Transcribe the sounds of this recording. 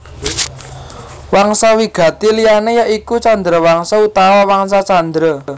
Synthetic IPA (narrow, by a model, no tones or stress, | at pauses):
waŋsawiɡ̥ä̤t̪ilijanejaʔikut͡ʃand̪ɾəwaŋsaut̪awawaŋsat͡ʃand̪ɾɔ